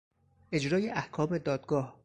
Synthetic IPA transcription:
ʔe̞d͡ʒɾɒːjeʔæhkʰɒːme̞d̪ɒːd̪̥ɡɒːh

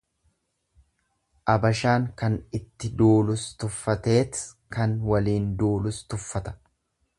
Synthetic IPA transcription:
ʔɐbɐʃaːŋkɐnɪt̪ːɪd̪uːlʊst̪ʊfːɐt̪e̞ːt̪ | kɐnwɐliːnd̪uːlʊst̪ʊfːɐt̪ɐ̥

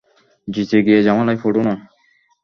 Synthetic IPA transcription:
d͡ʑit̪ʰeɡijed͡ʑamalajfoʈona

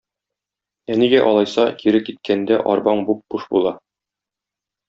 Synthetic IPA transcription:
æniɡæʔɒlˠɑjsɑkiɾɘkit̪̚kʰænd̪æʔɒ̰ɾbɑɴbup̚b̥uʃbulˠɑ

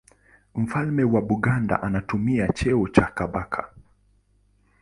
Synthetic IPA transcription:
m̩falmɛwaɓuɠanda̰ʔanatumiat͡ʃɛɔt͡ʃakaɓakʰa

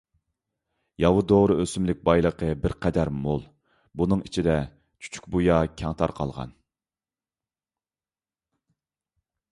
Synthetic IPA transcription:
jɑwud̪oʁɾɨøsymlɪk̚ʲbɑjlˠəqʰəbɪɾqʰɛd̪æɾmolˠ | bunɨŋit͡ʃʰid̪ɛ | t͡ʃʰy̥t͡ʃʰy̥kʲbujɑkʲʰɛŋt̪ʰɑɾqʰɑ̰lˠʁɑ̰n

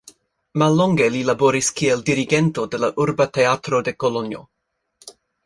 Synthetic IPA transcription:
malːɔŋɡelilaboɾiskieldiɾiɡentodelaʔuɾbat̪eat̪ɾodekolonjo̰

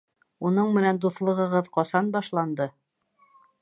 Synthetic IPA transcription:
unɤɴmɘ̆nænd̪uθlˠɤ̆ʁɤ̆ʁɤðqɒsɑnbɑʃlˠɑnd̪ɤ

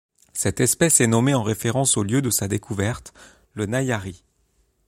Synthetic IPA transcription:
sɛt̪ɛspɛsɛnɔmeɑ̃ʁefeʁɑ̃soljød̪əsad̪ekuvɛʁt̪ | lənajaʁi

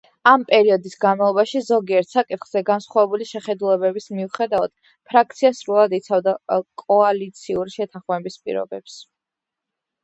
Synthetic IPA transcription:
ampʼɛɾiɔd̪isɡanmalˠɔbaʃizɔɡiɛɾt̪ʰsakʼit̪χz̥ɛɡansχwavɛbuliʃɛχɛd̪ulɛbɛbismiuχɛd̪avad̪̥ | pʰɾak̚t̪sʰiasɾulˠad̪it̪sʰavd̪akʼɔalit̪sʰiuɾiʃɛt̪ʰãχmɛbispʼḭɾɔ̰bɛps

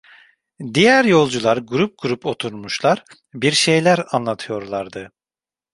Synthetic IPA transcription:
d̪ijæɾjo̞lˠd͡ʒulˠaɾɡuɾup̚ɡuɾupʰo̞t̪ʰuɾmuʃlˠaɾ | biɾʃe̞jlʲæɾanlˠat̪ʰɯjo̞ɾlˠaɾd̪ɯ

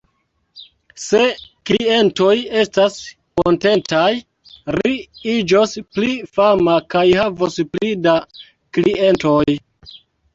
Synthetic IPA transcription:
se̞klie̞nto̞je̞stas | konte̞ntaj | ɾiid͡ʒosplifamakajhavosplida | kliʔe̞ntoj

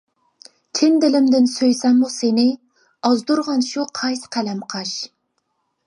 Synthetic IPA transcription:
kʲʰɪnd̪ɪlɪmd̪ɪnsøjsɛmːusenɪ | ɑzd̪uɾʁɑnʃuqʰɑjsqʰælɛmqʰɑʃ

